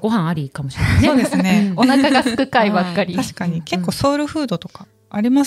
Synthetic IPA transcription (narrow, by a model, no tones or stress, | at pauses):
ɡ̥o̞ɦãɰ̃aɾʲikamoɕiɾesneoːd̪esɨneo̞nakaɡɡasɨkɯ̟kaibakːaɾʲiaɕi̥kaɲ̟ike̞kːo̞ːso̞ːɾɯ̟ɸɯ̟ːd̪o̞t̪o̞kaː | ɾʲima